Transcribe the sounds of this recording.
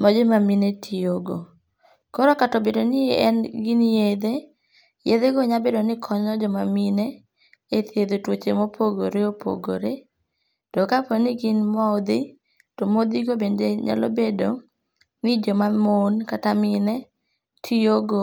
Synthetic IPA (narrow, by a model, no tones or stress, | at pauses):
mɔd͡ʒemaminetʰioɡo̰ | kɔɾɔkatɔbedonɪeɛnɡɪnjed̪e | jed̪eɡɔɲabedonɪkʰɔɲɔd͡ʒɔmamine | et̪jed̪otwot͡ʃemopʰoɡoɾeopʰo̰ɡo̰ɾe | tɔkapɔnɪɡɪnmɔd̪ɪ | tɔmod̪iɡobendeɲa̰lɔ̰bedo | nɪd͡ʒɔmamonkatamɪnɛ | tʰioɡo